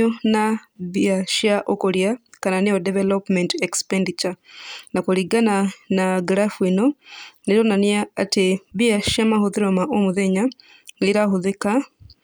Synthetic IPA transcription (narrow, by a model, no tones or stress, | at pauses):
onaβiaʃjaʔokoɾjakananiodevelopmentekspendit͡ʃanakoɾiɡananaɡɾafwinoniɾonanjaateβiaʃamahuðiɾomaʔomuðeɲa | liɾahuðeka